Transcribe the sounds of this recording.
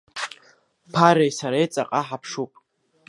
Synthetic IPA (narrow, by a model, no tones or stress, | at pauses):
pʰaɾejsaɾajt͡sʼa̰qʼaħapʰʂupʼ